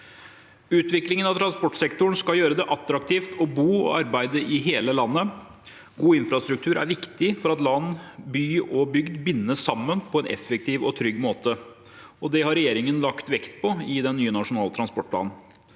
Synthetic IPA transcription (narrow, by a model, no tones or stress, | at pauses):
ʉːt̪ʋɪklɪŋənɑʋt̪ʰɾɑnspɔʈsɛkt̪ʊɳ̩skɑjøːɾəd̪ɛʔɑt̪ɾɑkt̪ʰiːft̪ʰɔbuːɔ̰ɑɾbæɪd̪əʔɪɦeːləlɑnːə | ɡuːɪnfɾɑst̪ɾʉk̚t̪ʰʉːɾæ̰ɾʋɪkt̪ɪfɔɾɑt̪lɑnːbyːɔbʏɡd̪bɪnːəʂɑmːənpʰɔɛnʔɛ̰fək̚t̪ʰiːʋɔt̪ʰɾʏɡːmoːt̪ə | ɔd̪ɛhɑɾɛjeːɾɪŋənlɑkt̪ʋɛkt̪pʰɔɪd̪ɛnːyːənɑʂʊnɑːlət̪ɾɑnspɔʈ̚pʰlɑ̰ːnn̩